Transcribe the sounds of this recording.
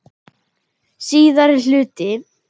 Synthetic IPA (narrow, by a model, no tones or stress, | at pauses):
siːðaɾɪl̥ʏːt̪ɪ